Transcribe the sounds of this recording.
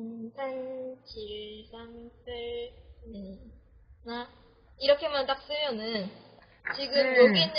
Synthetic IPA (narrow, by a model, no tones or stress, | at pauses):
sʰant͡ɕiɭsʰaŋsʰɯɭne | na | iɾʌkʰe̞mant͈ak̚s͈ɯmjʌnɯn | t͡ɕiɡɯmjoɡin